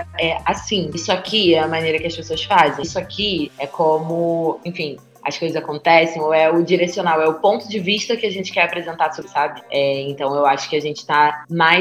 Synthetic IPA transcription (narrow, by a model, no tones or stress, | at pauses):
ɛasĩisʊakʰiɛɐmɐ̃nejɾɐkɪɐspesoɐsfazẽsʊakʰiɛkʰõmʊẽfĩ | ɐ̰skojzɐzakõnt̪ɛsẽj̃oɛʊd͡ʒiɾesionawɛʊpõnt̪ʊd͡ʒɪviʃt̪ɐkɪaʒẽnt͡ʃɪ̥kɛɾapɾezẽnt̪aɾsosabɪɛẽnt̪ɐ̃w̃ewaʃʊ̥kɪaʒẽnt͡ʃɪ̥t̪amaj